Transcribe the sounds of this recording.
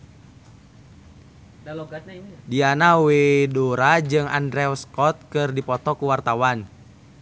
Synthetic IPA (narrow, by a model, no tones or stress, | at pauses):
dianawedoɾad͡ʒɨŋa̰ndɾɛɔskɔt̪̚kɨrdipɔt̪ɔkuwart̪awan